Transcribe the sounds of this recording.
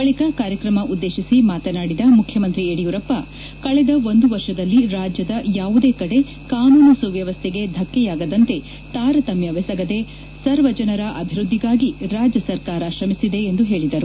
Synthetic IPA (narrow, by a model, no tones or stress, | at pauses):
bɐɭikɐkaːɾjɐkɾɐmɐʔud̪ːeːʃisimaːt̪ɐnaːɽid̪ɐmukʰjɐmɐnt̪ɾieɽijuɾɐpːɐ | kɐɭɛd̪ɐo̞nd̪uʋɐɾʂɐd̪ɐlːiɾaːd͡ʒjɐd̪ɐjaːʋud̪eːkɐɽe̞ | kaːnuːnusuʋjɐʋɐst̪ʰeɡe̞d̪ʱɐkːɛjaːɡɐd̪ɐnt̪e̞ | t̪aːɾɐt̪ɐmjɐʋɛsɐɡɐd̪e̞ | sɐɾʋɐd͡ʒɐnɐɾɐʔɐbʱiɾud̪ʱːiɡaːɡiɾaːd͡ʒjɐsɐɾkaːɾɐʃɾɐmisid̪e̞ːnd̪uɦe̞ːɭid̪ɐɾu